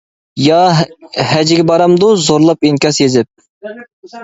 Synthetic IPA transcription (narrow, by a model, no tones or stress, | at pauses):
jɑ | hæd͡ʒɪɡʲɛbɑɾɑmd̪uzoɾlˠɑpiŋkʲɑsjezɪp̚